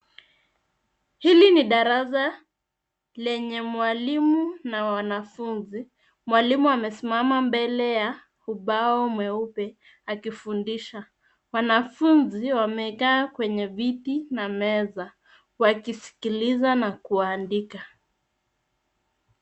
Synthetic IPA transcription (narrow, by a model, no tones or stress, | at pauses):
hiliniɗaɾasa | lɛɲɛmwalimunawwanafunzi | mwalimuamɛsimamambɛlɛja | uɓaɔmwɛupɛ | akifundiʃa | wanafunziwamɛkaːkwɛɲɛvitinamɛza | wakisi̥kilizanakuwaːndika